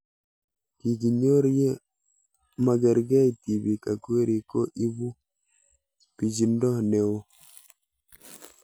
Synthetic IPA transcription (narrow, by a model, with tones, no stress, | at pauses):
ki˨ɡi˨ɲo˦ɾje˦ | ma˦ɡɛ˨ɾɡɛ˦i˨t̪i˨bi˨ka˨kwe˦ɾi˨ko˦ʔi˦bu˦ | pi˨d͡ʒi˨ndɔ˦ne˨wo˦